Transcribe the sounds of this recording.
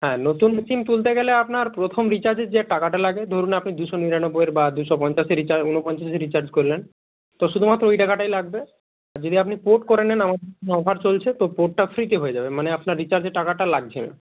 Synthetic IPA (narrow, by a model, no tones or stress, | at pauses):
ɦɛ̃not̪unmisimt̪ult̪̬eɡeleapnaɾpɾot̪ʰomɾit͡ɕaɾd͡ʑeɾd͡ʑeʈakaʈalaɡed̪ʱoɾunapnid̪uʃoniɾanobːoeɾbad̪uʃɔpɔɲt͡ɕaʃeɾit͡ɕaɾunopɔɲt͡ɕaʃeɾit͡ɕaɾd͡ʑkoɾlen | t̪oʃud̪ʱumat̪ːɾoojʈakaʈajlaɡ̚be | aɾd͡ʑod̪iapnipoʈkoɾenenamad̪enɔbʱaɾt͡ɕolt͡ɕʰet̪opoʈ̚ʈafʰɾit̪eɦoed͡ʑabemaneapnaɾːit͡ɕaɾd͡ʑeʈːakaʈalaɡ̚t͡ɕʰḛn